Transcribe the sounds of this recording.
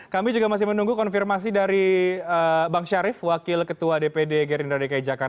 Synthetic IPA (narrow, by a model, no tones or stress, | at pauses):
kamid͡ʒuɡamas̬ɪhmənuŋɡukɔnfirmas̬idaɾiəbaŋʃaɾɪfwakɪlkət̪uadepedeɡɛɾindɾadekaj̚d͡ʒakart